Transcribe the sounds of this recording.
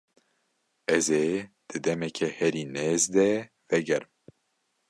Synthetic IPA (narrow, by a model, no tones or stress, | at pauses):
ɛzeːd̪̥ɨd̪ɛmɛkʰɛhɛɾiːneːzd̪ɛ | vɛɡɛɾɨm